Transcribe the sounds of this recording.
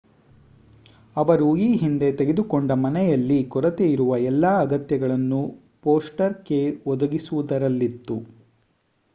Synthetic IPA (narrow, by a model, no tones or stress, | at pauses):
ɐʋɐɾuiːɦind̪e̞t̪e̞ɡe̞d̪ukoɳɖɐmɐnɛjɐlːikɔɾɐt̪eiɾuʋɐɛlːɐːɐɡɐt̪jɐɡɐɭɐnːu | po̞ːsʈɐɾke̞ʋɔd̪ɐɡisuʋud̪ɐɾɐlːit̪ːu